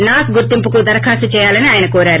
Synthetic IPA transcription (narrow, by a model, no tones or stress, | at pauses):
naːkuɡuɾt̪impukud̪ɐɾɐkʰaːsut͡ʃɛːjaːlɐniaːjɐnɐkoːɾaːɾu